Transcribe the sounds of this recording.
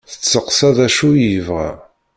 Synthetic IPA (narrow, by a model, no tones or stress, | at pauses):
θə̥t͡sːəqsæðæʃujivʁæ̰